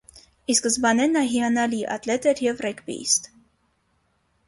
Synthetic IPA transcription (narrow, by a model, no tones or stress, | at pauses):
iskəzbɑnɛnːɑɦiɑnɑliʔɑ̰t̪lɛt̪ɛɾjɛvrɛkbḭst̪